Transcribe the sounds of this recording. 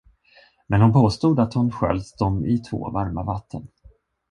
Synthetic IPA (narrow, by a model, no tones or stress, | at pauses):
mɛnhʊnpʰoːst̪uːd̪at̪hʊnɧɛ̰lsd̪ɔmɪt̪ʰvo̰ːvaɾmavat̪ʰːə̰n